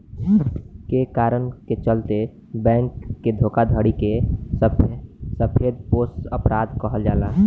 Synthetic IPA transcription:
kekaːɾənket͡ʃəlt̪e | bɛ̃ːŋkːed̪ʱoːkad̪ʱəɽikesəpsəpʰed̪̚posʈəpɾaːd̪kəɦəld͡ʒaːla

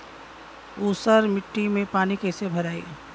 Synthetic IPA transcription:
uːsəɾmɪʈːimẽpaːnikɐɦsebʱɐɾaːḭː

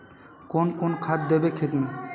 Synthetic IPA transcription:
konkonkʰad̪̚d̪ebekʰet̪mi

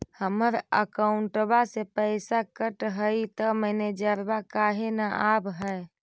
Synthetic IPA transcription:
həməɾə̰kauɳʈbasepəɪsakəʈɦəjit̪əməned͡ʒəɾbakaɦenaʔabɦə

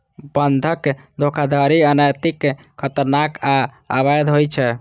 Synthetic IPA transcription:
bənd̪ʱəkːed̪ʱokʰad̪aɾiənajt̪ikː | kʰːət̪əɾnaka | abajd̪ɦojt͡ʃʰɛ

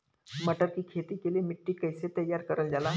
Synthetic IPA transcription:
məʈət̪kiːkʰet̪iːkelemiʈːiːkəjset̪əjːaɾkəɾəld͡zala

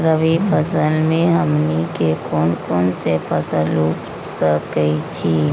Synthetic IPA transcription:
ɾəbipʰəsəlmẽɦəmnikekoːnkɔːnsepʰəsəluːp | səkəit͡ʃʰiː

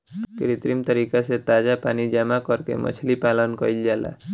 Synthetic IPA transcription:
kiɾit̪ɾimt̪ʌɾikaset̪ad͡ʒapanid͡ʒamakɔɾkḛmʔʌ̰t͡ʃʰlipalʌnkɔɾiljala̰

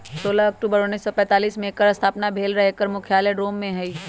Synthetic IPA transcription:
soːlaɐk̚ʈuːbəɾʊnːisːɔpɛ̃ːt̪aːliːsmẽkəɾɐst̪ʰaːpnabʱeːlɾɐɦekəɾmʊkʰjaːleɖoːmːẽɦɛiː

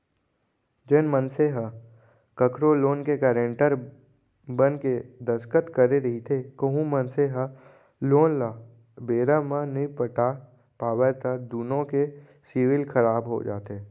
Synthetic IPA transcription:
d͡ʒenmə̃nseɦə | kəkɾoloːnkekɛːɾẽɳʈəɾ | bənked̪əskət̪kəɾeɾɐɦit̪ʰekəɦũmənseɦə | loːnla | beːɾamãnĩpəʈa | paːwət̪əd̪uːnõke | siːwɪlkʰəɾaːbɦo̰d͡ʒa̰ːt̪eː

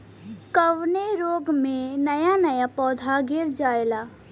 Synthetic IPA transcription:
kəʋneɾoːɡmẽnəjanəjapɔːd̪ʱaɡɪɾd͡ʒaːelaː

